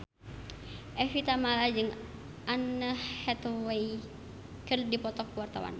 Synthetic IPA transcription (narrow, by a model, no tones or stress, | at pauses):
ʔɛfit̪amalad͡ʒɨŋ | ʔanːəhɛt̪wɛj | kɨrdipɔt̪ɔkːuwart̪a̰wa̰n